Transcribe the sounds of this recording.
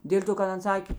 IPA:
ˈdʲeːlʲ toː kɐt ˈɐn ˈsɑːkʲeː

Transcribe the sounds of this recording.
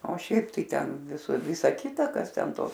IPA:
oː ˈʃʲɛɪp tɐɪ ˈtʲɛn sʊ ˈʋʲɪsɐ ˈkʲɪtɐ ˈkɐs ˈtʲɛn ˈtoːs

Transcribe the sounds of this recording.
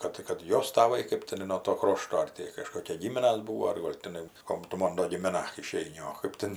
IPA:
ˈkɐt kɐt ˈjoːs tɐˈʋɐɪ kɜp tʲɪˈnɐɪ nuɔ ˈtoː ˈkroːʃtoː ˈɐr tʲɪ kɐˈʃkoːkʲiɛ ˈɡʲiːmʲɪnɐs ˈbuːʋoː ɐr ˈɡoːlˠ tʲɪˈnɐɪ ˈkoːm tʊ ˈmoːn doː ɡʲɪmʲɪˈnɐ ɪˈʃʲɛɪnʲɪ oː ˈkɜp tʲɛn

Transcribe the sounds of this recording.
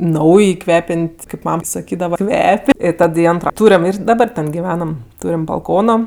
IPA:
ˈnɐʊj ˈkʋʲæːpʲɛnʲtʲ kɐɪp ˈmɐm sɐˈkʲiːdɐʋɐ ˈkʋʲɛpʲ ɪ ˈtɐt ɪ ˈɐntroː ˈtuːrʲɛm ɪr dɐˈdɑːbɐr ˈtʲɛn ɡʲɪˈʋʲæːnɐm ˈtuːrʲɪm bɐlˠˈkoːnoː

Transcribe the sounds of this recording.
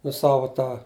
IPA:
nʊ ˈsɑːʋoː ˈtɑː

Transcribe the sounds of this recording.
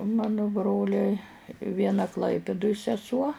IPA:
ʊ ˈmɑːnʊ ˈbroːlʲɛɪ ˈʋʲiɛnɐ ˈklˠɐɪpʲɪdʊj sʲɛˈsuɔ

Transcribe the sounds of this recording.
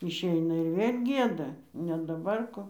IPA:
ɪʃʲˈɛɪnɐ ɪr ˈʋʲeːlʲ ˈɡʲiɛdɐ nʲɛ dɐˈbɐr ˈkoː

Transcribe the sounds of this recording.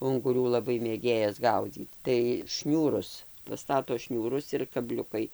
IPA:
ʊŋɡʊˈrʲuː lˠɐˈbɐɪ mʲeːˈɡʲeːjɛs ˈɡɐʊd͡zʲiːt tɐɪ ˈʃʲnʲuːrʊs pɐˈstɑːtoː ˈʃʲnʲuːrʊs ɪr kɐˈbʲlʲʊkɐɪ

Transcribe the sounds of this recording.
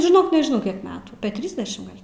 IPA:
ʒʲɪˈnoːk nʲɛʒʲɪˈnɐʊ kʲiɛk ˈmʲæːtuː ɐpʲeː ˈtʲrʲiːzʲdʲɛʃʲɪm ˈɡɐlʲ

